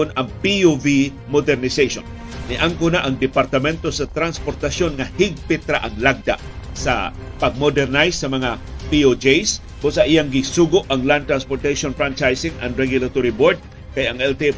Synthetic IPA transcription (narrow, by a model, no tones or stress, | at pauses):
ʊnɐŋpiovi | mod̪ɛɾnɪsejso̰n | nɪʔaŋkʊnaʔɐŋd̪ɪpaɾt̪ɐmɛnt̪osɐt̪ɾanspoɾt̪asjonŋahɪɡ̚pɪt̪ɾa̰ʔɐŋlaɡ̚d̪a̰ʔsa̰ | pɐɡ̚mod̪ɛɾnajsːɐmɐŋapiod͡ʒejs | bʊsaʔɪjaŋɡɪsuɡʊʔɐŋlant̪ɾanspoɾt̪aʃonfɹant͡ʃajsɪŋʔɐ̰ŋɾɛɡjʊlat̪oɾiboɾd̪̚ | kajɐŋɛlt̪e